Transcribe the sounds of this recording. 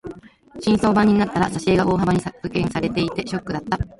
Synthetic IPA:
ɕĩɰ̃so̞ːbãɲ̟ːinat̪ːaɾaɕaɕeːɡao̞ːɦabaɲ̟isakɯ̟kẽ̞ɰ̃saɾe̞t̪e̞it̪e̞ɕo̞kːɯ̟d̪at̪ːa

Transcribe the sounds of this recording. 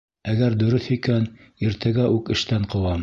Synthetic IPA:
æɡæɾd̪ɵ̆ɾɵθikæn | iɾt̪ʰæɡæʔʉkɘ̆ʃt̪æɴqɤ̆wɑm

